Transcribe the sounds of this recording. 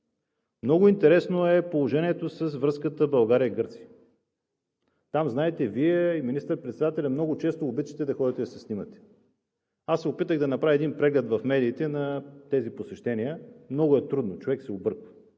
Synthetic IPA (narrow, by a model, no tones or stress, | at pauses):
mnɔɡʊint̪ɛɾɛsnoɛpolˠoʒɛniɛt̪osɐsvɾɤskət̪əbɐlˠɡaɾiəiɡɤɾt̪siə | t̪amznaɛt̪ɛviɛiminist̪əɾpɾɛt̪sɛd̪at̪ɛlʲɐmnɔɡʊt͡ʃɛst̪oːbit̪t͡ʃə̥t̪ɛd̪ɐxɔd̪ət̪ɛɐsɛsnimət̪ɛ̥ | asːɛopit̪əɣd̪ɐnɐpɾavʲiɛd̪inpɾɛɡlʲɛt̪vɐfmɛd̪iːt̪ɛnɐt̪ɛziposɛʃt̪ɛniəmnɔɡʊɛt̪ɾud̪not͡ʃovɛksɛobɤɾkvə̥